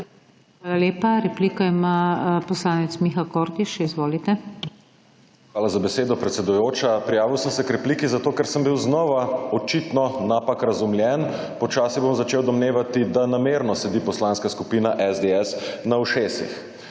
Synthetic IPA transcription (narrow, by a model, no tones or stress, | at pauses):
xʋaːlaleːpaɾɛpliːkaimapɔslaːnɛt̪smiːxakɔːɾt̪iʃizʋoːlit̪ɛ | xʋaːlazabɛseːd̪ɔpɾɛt̪sɛd̪ujoːt͡ʃapɾijaːʋiwsəmsɛkɾɛpliːkizat̪oːkɛɾsəmbiwznɔʋaɔt͡ʃit̪nɔnapakɾazumlʲjɛn | pɔt͡ʃaːsibomzat͡ʃeːwd̪ɔmneːʋat̪id̪anameɾnɔsɛd̪ipɔslaːnskaskupiːnaʔɛzd̪eɛsnawʃeːsḭx